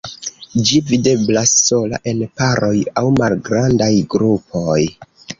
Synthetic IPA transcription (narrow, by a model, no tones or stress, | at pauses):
d͡ʒivide̞blasːo̞la̰ʔe̞npaɾʔo̞jawmalɡɾandajɡɾupo̞j